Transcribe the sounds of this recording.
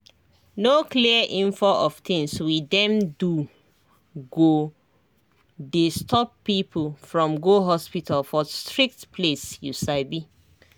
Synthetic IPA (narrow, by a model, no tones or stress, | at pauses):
nokliəʔĩɱfɔʔɔft̪ĩŋswidɛ̃mdu | ɡo | destɔpːipʰlfɹɔ̃mɡoɦɔspitʰalfɔstɹik̚tpʰlesjusaɪbi